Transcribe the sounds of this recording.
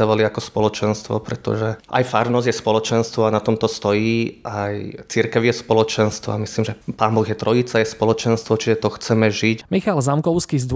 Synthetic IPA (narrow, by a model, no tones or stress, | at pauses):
aʋɔliakɔspɔlɔt͡ʃɛnst̪ʋɔ̰pɾɛt̪ɔ̰ʒɛʔa̰jfaɾnɔzjɛspɔlɔt͡ʃɛnst̪ʋɔanat̪ɔmt̪ɔst̪ɔjiːajt͡siɾkɛʊjɛspɔlɔt͡ʃɛnst̪ʋɔ̰amisliːmʒɛpaːmbɔɣjɛt̪ɾɔjit͡sajɛspɔlɔt͡ʃɛnst̪ʋɔt͡ʃiʒɛt̪ɔxt͡sɛmɛʒicmixalzamkɔʊskizd̪